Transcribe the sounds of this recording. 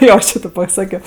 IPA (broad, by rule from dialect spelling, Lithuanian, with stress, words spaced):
ˈjoː ˈt͡ʃʲɪ tʲɪ pɐˈsɑːkʲoː